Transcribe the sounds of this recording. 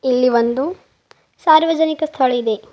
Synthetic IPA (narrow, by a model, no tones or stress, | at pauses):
ilːiʋond̪u | saːɾʋɐd͡ʒɐnikɐst̪ʰɐɭid̪e̞